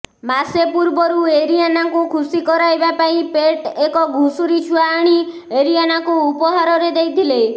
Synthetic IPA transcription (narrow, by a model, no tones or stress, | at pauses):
masepuɾbɔɾueɾijanakukʰusikɔɾajbapaĩpeʈekɔɡʱusuɾit͡ʃʰuaːɽ̃i | eɾianakuːpɔɦaɾɔɾed̪ejd̪ʱile